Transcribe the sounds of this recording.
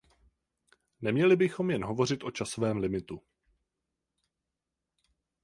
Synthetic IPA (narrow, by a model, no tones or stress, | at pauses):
nɛmɲɛlɪbɪxo̞mjɛnɦo̞vo̞r̝ɪt̪ʔo̞t͡ʃasovɛːmlɪmɪt̪u